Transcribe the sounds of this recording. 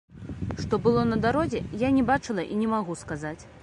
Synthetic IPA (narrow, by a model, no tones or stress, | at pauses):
ʂt̪ɔbɨlˠɔnɐd̪aɾɔzʲɛjanʲɛbat͡ʂɨlˠɐʔinʲɛmaɣuskazat͡sʲ